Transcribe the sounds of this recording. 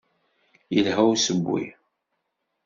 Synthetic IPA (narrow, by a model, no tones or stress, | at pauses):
jəlɦæwsəbʷːḭ